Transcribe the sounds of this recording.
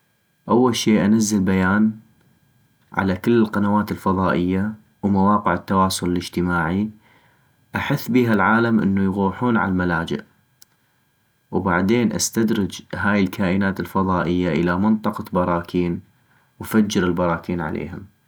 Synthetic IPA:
ʔawːalʃeːʔanazːalbajaːn | ʕa̰lakɪlːɪlqɑnawaːt̪ɪlfɑðˤɑːʔɪjːa | wmawɑːqɪʕɪt̪ːawɑːsˤʊlɪlɪd͡ʒt̪ɪmaːʕi | ʔaħɪθːbiːɦalʕaːlamʔɪ̰nːujɣuːħuːnʕa̰llmalaːd͡ʒɪ̰ʔ | wbaʕd̪eːnʔa̰st̪ad̪ɾɪd͡ʒɦaːjɪlkʰaːʔɪnaːt̪ɪlfɑðˤɑːʔɪjːaʔɪlamɪnt̪ˤɑqɑbɑɾˤɑːkʰiːn | wfad͡ʒːɪɾɪlbɑɾˤɑːkiːnʕa̰lḛːɦʊm

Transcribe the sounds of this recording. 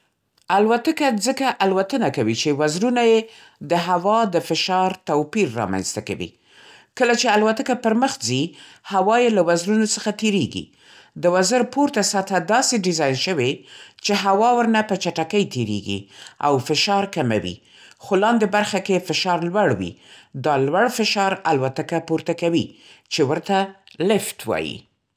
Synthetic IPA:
alwat̪əkad͡zəkaʔalwat̪ənakawit͡ʃewazɾunaje | d̪əɦawɑd̪əfɪʃɑɾt̪awpiɾːɑ̰ma̰nz̥t̪aka̰wḭ | kəlat͡ʃealwat̪əkapəɾməxzi | hawɑjelawazɾunosəxat̪eɾeɡḭ | d̪əwazəɾpoɾt̪asat̪ʰad̪ɑseɖɪzɑjnʃəwet͡ʃeɦawɑwəɾnapət͡ʃaʈakəjt̪eɾḛɡḭa̰wfɪʃɑɾkama̰wḭ | xolɑnd̪ebaɾxakefɪʃɑɾlwaɽwḭd̪ɑlwaɽfɪʃɑɾalwat̪akapuɾt̪akawit͡ʃewəɾt̪alɪft̪wɑ̰jḭ

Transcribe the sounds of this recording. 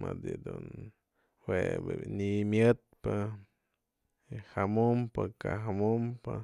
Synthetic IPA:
mad̪id̪un | webnimjɨt̪̚pɨ | hamumpɨkaɦamumpɨ

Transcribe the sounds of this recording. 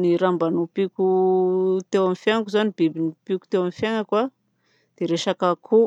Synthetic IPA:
niɾambanupiku | t̪ewamifjaŋakuzanibibinipiku̥t̪ewamifjaŋakwa | d̪̥eɾeʃakakʰu

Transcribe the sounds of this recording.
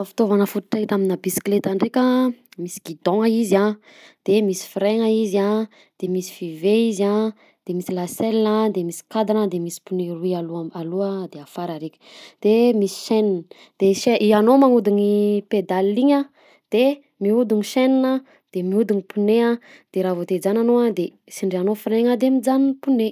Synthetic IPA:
fi̥t̪ovanəfut̪u̥ʈ͡ʂat̪aminəbisi̥klet̪aɳɖ͡ʐekʲəmisi̥ɡid̪oŋəiza | d̪̥emisi̥fɾeŋəiza | d̪̥emisi̥fiveiza | d̪̥emisilaselinad̪emisi̥kad̪anad̪emisi̥puneɾuialualuad̪eafaɾaɾekʲə̥d̪̥emisi̥ʃeninə | d̪̥eʃeʔianomaŋud̪uŋiped̪aliɲa | d̪̥e | miud̪uŋiʃeninə | d̪̥emiud̪uŋipunea | d̪̥eɾavod̪ed͡zananoad̪e | siɳɖ͡ʐeanofiɾeŋəd̪emid͡zanipune

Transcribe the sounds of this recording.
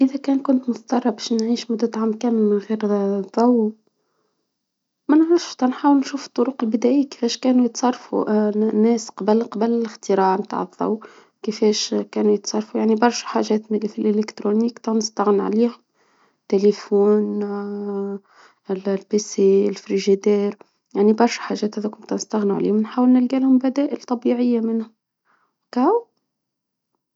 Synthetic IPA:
ʔɪðɛkɛːnkʊnt̪mʊt̪ɑt̪ˤɑrˤːɑbɛːʃnʕiːʃmʊd̪ːæt̪ʕamkæːnɣiːɾðˤɑwː | mænʕɾəft̪ɑnħaːwəlnʃuːfə̥t̪ˤːʊɾʊqɪlbɪd̪æːʔiːkɪ̥fɛːʃkæːnujət̪sˤɑrˤːfṵnːɛːsqɑbəlqɑbəlɪlɪxt̪ɪɾaːʕmt̪a̰ːʕəðˤːɑ̰wː | kɪfɛːʃkæːnujət̪sˤɑrˤfujaʕnibɑɾˤʃħaːʒɛːt̪mɪlfilʔɪlɪkt̪ɾunikt̪ɑnɪst̪æɣnʕliːhʊm | t̪ːelefuːn | llpeseɪlfɾiʒid̪ɛːɾ | jaʕnibɑɾˤʃħaʒɛːt̪ʔæðɛkʊnt̪ɑnɪst̪aɣnṵʕaliːhʊmnħaːwəlnɪlɡæːlhʊmbæd̪æːʔɪlt̪ˤɑbiːʕɪjːamɪnhʊ | kaw

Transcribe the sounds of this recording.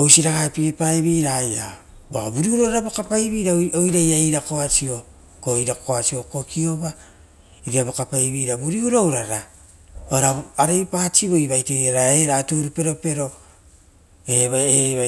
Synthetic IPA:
owsiɾaɡaepiipajβiːɾaja̰ | ba̰buɾiuɾo̞ɾaɾabokapajβiːɾaojɾajaiɾako̞at͡ʃio̞ | koiɾako̞at͡ʃio̞ko̞kio̞ba | iɾiabokapajβiːɾabuɾiuɾowɾaɾa | oɾaaɾejpat͡ʃiβoiβajtejaɾaeɾatuɾupe̞ɾo̞pe̞ɾo̞ | eβaea

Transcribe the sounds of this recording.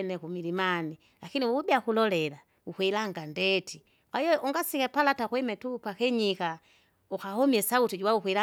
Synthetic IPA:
nɛkumilimani | lakiniwuubiakulɔlɛla | ukwɛlaŋɡandɛti | ajɔuŋɡasikɛpalatakwɛmɛtupakɛɲika | uxahɔmiɛsautid͡ʒuwaukɛla

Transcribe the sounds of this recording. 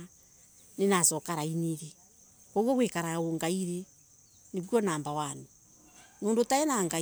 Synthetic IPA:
nenasɔkaɾaineɾe | koɣwɔɣwekaɾaoŋɡaiɾe | neβwɔnaːmbawanu | noːndotaɛnaŋɡa

